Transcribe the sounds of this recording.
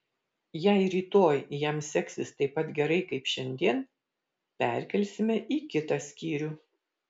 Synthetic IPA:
jɛɪɾʲiːt̪oːjjɛmsʲɛksʲɪst̪ɐɪpːɐt̪ɡʲɛɾɐɪkɐɪpʃʲɛnʲd̪ʲiɛn | pʲɛˑɾʲˑkʲɛlʲsʲɪmʲɛʔiːkʲɪt̪ɑsʲkʲiːɾʲuː

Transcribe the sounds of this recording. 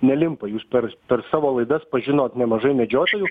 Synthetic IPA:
nʲɛlʲɪmpɐjuːspʲɛɾpʲɛɾsɑːʋoːlˠɐɪd̪ɐspɐʒʲɪnoːt̪nʲɛmɐʒɐɪmʲɛd͡ʒʲoːt̪oːju

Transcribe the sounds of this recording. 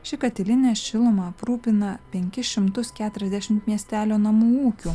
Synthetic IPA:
ʃʲɪkɐt̪ʲɪlʲɪnʲɛːʃʲɪlˠʊmɑpɾuːpʲɪnɐpʲɛŋʲkʲɪʃʲɪmt̪ʊskʲæːt̪ʊɾʲɛzd̪ʲæʃʲɪmt̪mʲiɛsʲt̪ʲæːlʲoːnɐmuːuːkʲu

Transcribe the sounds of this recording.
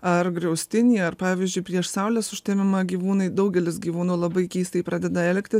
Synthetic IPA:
ɐrɡɾʲɛʊsʲt̪ʲɪnʲiːɐɾpɑːʋʲizʲd͡ʒʲʊɪpʲɾʲiɛʃsɐʊlʲɛsʊʃʲt̪ʲeːmʲɪmɐɡʲiːʋuːnɐɪd̪ɐʊɡʲɛlʲɪsɡʲiːʋuːnuːlˠɐbɐɪkʲiːst̪ɐɪpɾɑːd̪ʲɛd̪ɐɛlʲkt̪ʲɪs

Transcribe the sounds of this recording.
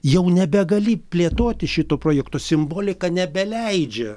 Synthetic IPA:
jɛʊnʲɛbʲɛɡɐlʲɪpʲlʲeːt̪oːt̪ʲɪʃʲɪt̪oːpɾoːjɛkt̪oːsʲɪmboːlʲɪkɐnʲɛbʲɛlʲɛɪd͡ʒʲɛ

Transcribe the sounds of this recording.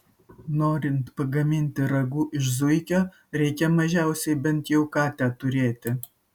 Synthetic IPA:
noːɾʲɪnt̪pɐɡɐmʲɪnʲt̪ʲɪɾɐɡuːʔɪʃzʊɪkʲoː | ɾʲɛɪkʲɛmɐʒʲɛˑʊsʲɛɪbʲɛnt̪jɛʊkɑːt̪ʲæːt̪ʊɾʲeːt̪ʲɪ

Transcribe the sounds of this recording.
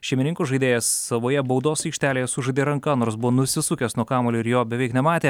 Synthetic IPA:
ʃʲɛɪmʲɪnʲɪŋkʊʒɐɪd̪ʲeːjɛsːɐʋoːjɛbɒʊd̪oːsʲiːkʃʲt̪ʲæːlʲeːjɛsʊʒɐɪd̪ʲeːɾɐŋkɐnoːɾs̬bʊʋoːnʊsʲɪsʊkʲeːsnuɔkɑːmoːlʲoːɪɾjoːbʲɛʋʲɛˑɪknʲɛmɑːt̪ʲeː

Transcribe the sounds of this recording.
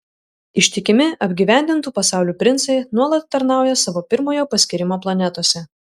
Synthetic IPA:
ɪʃʲt̪ʲɪkʲɪmʲɪɐbʲɡʲiʋʲæˑnʲd̪ʲɪnt̪uːpɐsɑˑʊlʲuːpʲɾʲɪnsɐɪnuɔlˠɐt̪ːɐɾnɑˑʊjɛsɑʋoːpʲɪɾmoːjoːpɐsʲkʲɪɾʲɪmoːplˠɐnʲɛt̪oɔsʲɛ

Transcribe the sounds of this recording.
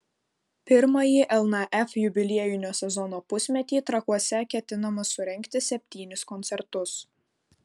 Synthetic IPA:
pʲɪɾmɐjiʔɛlˠnɐʔɛfjʊbʲɪlʲiɛjʊnʲoːsʲɛzɔnoːpʊsʲmʲɛt̪ʲiːt̪ɾɐkuɔsʲɛkʲɛt̪ʲɪnɐmɐsʊɾʲɛŋʲkt̪ʲɪsʲɛpʲt̪ʲiːnʲɪskɔnʲt̪sʲɛɾt̪ʊs

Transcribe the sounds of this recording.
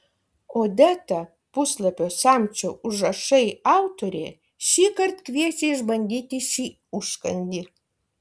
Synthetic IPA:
oːd̪æt̪ɐ | pʊslˠɐpʲoːsɑːmʲt͡ʃʲoːʔʊʒɐʃɐɪɑʊt̪oɾʲḛː | ʃʲiːkɐrt̪kʋʲiɛsʲeːɪʒbɐnʲd̪ʲiːt̪ʲɪʃʲiː | ʊʃkɐ̰nʲd̪ʲɪ

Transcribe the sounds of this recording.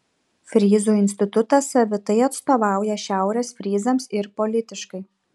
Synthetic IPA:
fʲɾʲiːzuːɪnʲsʲt̪ʲɪt̪ʊt̪ɐsɐʋʲɪt̪ɐɪɐt̪st̪oːʋɑˑʊjɛʃʲæˑʊɾʲɛːsfʲɾʲiːzɐmsɪɾpɔlʲɪt̪ʲɪʃkɐɪ

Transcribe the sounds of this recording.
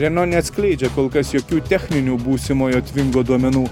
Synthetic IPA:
ɾʲɛnɔnʲɛt̪sklʲeːd͡ʒʲɛkoːlˠkɐsjɔkʲuːt̪ʲɛxʲnʲɪnʲuːbuːsʲɪmoːjut̪ʲʋʲɪŋɡod̪uɔmʲɛnuː

